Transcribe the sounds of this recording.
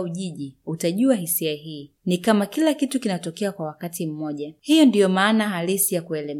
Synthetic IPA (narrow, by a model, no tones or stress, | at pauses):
uʄiʄiutaʄuahisiahiː | nikamakilakitukinatɔkɛakwawakatim̩mɔʄahijɔndijɔmaːnaɦalisijakuɛlɛm